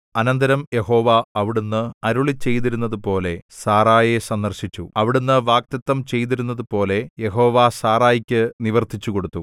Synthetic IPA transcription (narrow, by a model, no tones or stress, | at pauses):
ɐnɐnd̪ɐɾɐmje̞ɦo̞ːʋaɐʋiɽunːɨɐɾuɭit͡ɕːe̞jt̪iɾunːɐðupo̞ːle̞saːraːjesɐnd̪ɐrɕit͡ɕːuɐʋiɽunːɨʋaːk̚t̪ɐt̪ːɐmt͡ɕe̞jt̪̬iɾunːɐðupo̞ːle̞je̞ɦo̞ːʋaːsaːraːjikʲːɨniʋɐrt̪ʰit͡ɕːuko̞ɽut̪ːu